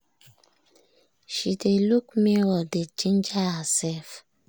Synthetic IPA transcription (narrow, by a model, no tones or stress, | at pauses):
ʃideluk̚mewɔded͡ʒĩnd͡ʒahəsɛlf